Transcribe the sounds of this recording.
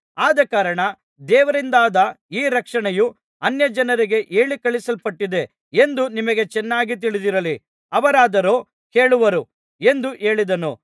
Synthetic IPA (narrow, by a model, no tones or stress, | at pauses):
aːd̪ɐkaːɾɐɳɐ | d̪ɛːʋɐɾind̪aːd̪ɐiːɾɐkʂɐɳɛju | ɐnjɐd͡ʒɐnɐɾiɡe̞ʔe̞ːɭikɐɭisɐlpɐʈːid̪e̞ | end̪unimɐɡe̞t͡ʃɛnːaːɡit̪̬iɭid̪iɾɐli | ɐʋɐɾaːd̪ɐɾoː | ke̞ːɭuʋɐɾu | e̞nd̪uʔe̞ːɭid̪ɐnu